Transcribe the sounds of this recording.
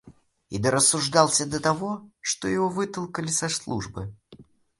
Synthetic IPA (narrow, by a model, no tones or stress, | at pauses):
ḭd̪əɾəsːʊʐd̪ɑlˠsʲəd̪ɐt̪ɐvoʂt̪ojɪvɔvɨt̪əlˠkəlʲɪsɐslˠṵʐbɨ